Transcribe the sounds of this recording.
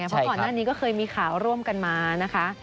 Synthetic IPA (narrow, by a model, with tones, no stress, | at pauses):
a˦˥jpʰkɔː˨˩nnaː˥˩niː˦˥kɔː˥˩kʰɤː˧jmiː˧kʰaː˩˦wɾu˥˩əmka˧nmaː˧na˦˥kʰa˦˥